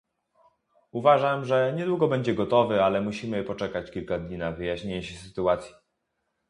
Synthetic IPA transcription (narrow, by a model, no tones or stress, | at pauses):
uvaʐamʐɛɲɛd̪wuɡɔbɛɲd͡ʑɛɡɔt̪ɔvɘalɛmuɕimɘpɔt͡ʂɛkat͡ɕkʲilkad̪ɲinavɘjaɕɲeɲɛɕɛsɘt̪uat̪sʲji̥